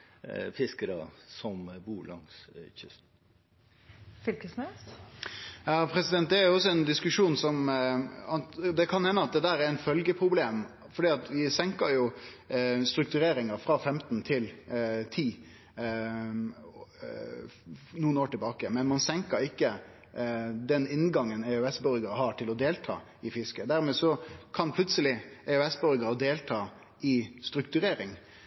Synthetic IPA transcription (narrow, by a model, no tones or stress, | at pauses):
fɪskəɾə̰sɔmbuːlɑ̰ŋsçʏ̰st̪ | fʏlkəsmɛs | jɑːpʰɾɛsɪd̪ɛnt̪̚d̪ɛæɾjʊɔs̬ːɔɛnd̪ɪskʉʂuːnsɔm | ɑd̪ɛkʰɑnhɛnːəɑt̪̚d̪ɛd̪æːɾɛɾɛt̪fœlɡəpʰɾʊbleːm | fɔɖiːɑt̪ʋɪsɛŋkəɾjʊ | st̪ɾʉk̚t̪ʉɾeːɾɪŋəɾfɾɑfɛmt̪n̩t̪ʰɪlt̪ʰiː | nuːənoːʈɪlbɑːkəmɛnmɑnsɛŋkəɾɪkːə | d̪ɛnɪnːɡɑŋːənɛøɛsbœɾɡəɾəɦɑʈʰɪlɔd̪eːlt̪ʰɑ̰ː | ɪfɪskəd̪æɾmeːsɔkʰɑnpʰlʉt̪səlɪɛʉɛsbœɾɡəɾəd̪eːlt̪ʰɑː | ʔɪst̪ɾʉkt̪ʉɾeːɾɪŋ